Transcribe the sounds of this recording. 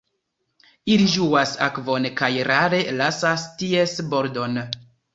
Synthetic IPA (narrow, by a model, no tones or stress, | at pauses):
iliʒuasa̰kvo̞nkajɾaɾe̞lasastiesboɾdo̞n